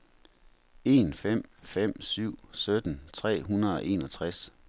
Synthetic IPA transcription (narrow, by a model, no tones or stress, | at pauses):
e̝ːnfem̰fem̰syʊ̰sød̥n̩t͡sʰʁɛ̰ːɦunɐðˠɒ̽ʔe̝̰ːnɒ̽t͡sʰʁas